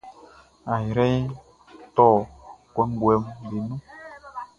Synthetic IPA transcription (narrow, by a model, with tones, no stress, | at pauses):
a˨ɾɛ˦j | tɔ˦˨kwɛ˨˦ŋ˦ɡwɛ˨˦mbe˨nũ˦